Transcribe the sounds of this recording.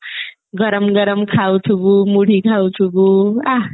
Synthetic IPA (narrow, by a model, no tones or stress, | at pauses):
ɡʌɾʌmɡʌɾʌmkʰawtʰubumuɽʱikʰawtʰubua